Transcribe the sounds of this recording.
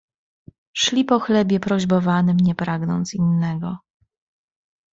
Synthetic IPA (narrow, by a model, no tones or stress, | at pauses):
ʂlʲipɔxlɛbʲjɛpɾɔʑbɔvanɘmɲɛpɾaɡnɔ̰nt̪sinːɛɡɔ